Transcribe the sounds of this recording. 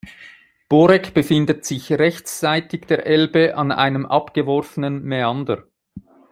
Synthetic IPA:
b̥oːɾɛkb̥əfɪndətsɪçʁɛçtt͡saɪtɪɡd̥eːɐʔɛlbəʔɑnʔa̰ɪnəmʔɑpɡ̥əvɔɾfənənmeɑndə̰ɾ

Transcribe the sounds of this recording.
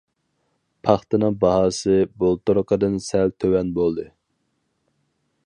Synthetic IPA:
pʰɑχt̪ɨnɨŋbɑɦɑːsɨbolˠt̪oɾqʰəd̪ɨnsɛlt̪ʰøwɛnbolˠd̪ɨ

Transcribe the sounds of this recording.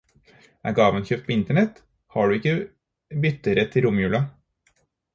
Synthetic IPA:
ʔæ̰ːɾɡɑːʋənçøːp̚t̪̚pʰoːɪnt̪əɳɛt̪ | hɑːɖʉːɪkːə | bʏt̪əɾət̪ʰɪlɾʊmjʉːlɑ

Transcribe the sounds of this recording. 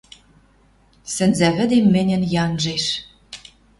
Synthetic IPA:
sɘ̆nzæβɘ̆d̪emːɘ̆nʲɘ̆njɑnʒeʃ

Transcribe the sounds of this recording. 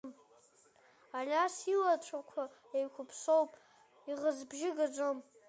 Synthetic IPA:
m | alʲasilat͡ʃʷʰakʷʰa | ejkʷʰʊpʰso̞wpʼ | iʁəzbʒɪɡad͡zʷom

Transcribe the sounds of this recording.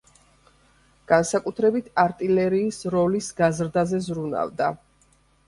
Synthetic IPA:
ɡ̥ansakʼut̪ʰɾɛbit̪ʰaɾt̪ʼilɛɾiːsɾɔlisɡazɾd̪azɛzɾuna̰vd̪a

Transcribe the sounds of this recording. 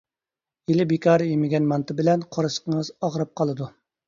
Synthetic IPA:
jelɪbekʰʲɑːɾjemɪɡʲɛnmɑnt̪ʰɨbɪlɛnqʰoɾɨsə̥qəŋɨzɑʁɾɑp̚qʰɑlˠɨd̪u

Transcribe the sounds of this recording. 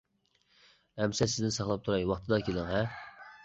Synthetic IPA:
ɛmsɛsɪzd̪ɪnsɑχlˠɑp̚t̪ʰuɾɑjwɑχt̪ʰɨd̪ɑkʲʰelɪŋɛ

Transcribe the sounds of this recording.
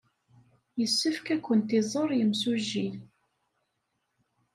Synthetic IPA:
jəsːəfkækʷːənt̪izˤəɾˤjəmsuʒːi

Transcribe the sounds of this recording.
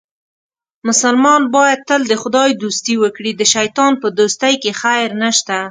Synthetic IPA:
mʊsalmɑnbɑjad̪̚t̪ːəld̪əxʊd̪ɑjd̪ust̪iwəkɽid̪əʃajt̪ɑnpəd̪ost̪ajkexajɾnəʃt̪a

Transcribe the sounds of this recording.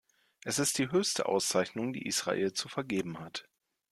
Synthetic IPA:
ʔɛsɪst̚d̥iːɦøːçstə̰ʔa̰ʊst͡saɪçnʊŋdḭːʔiːsʁ̥a̰ʔḛːlt͡sufɛɐɡeːbm̩hat

